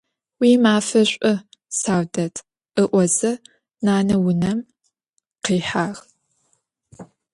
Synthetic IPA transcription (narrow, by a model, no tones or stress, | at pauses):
wiːmaːfɐɕʷʼʊ | saːwdɐtʰ | ɨʔʷɔzɐ | naːnɐwʊnɐm | qiːħaːʁ